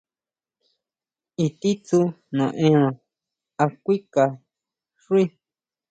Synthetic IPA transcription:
i˧t̪i˦t͡su˧ | nõ˨ʔẽ˦ã˧ | a˧kʷi˦ka˨ | ʐu˦i˦

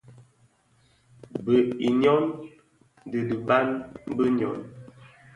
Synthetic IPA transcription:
bə˨i˨ɲɔ˦n | də˨də˨ba˦nm˦bə˦ɲɔ˨n

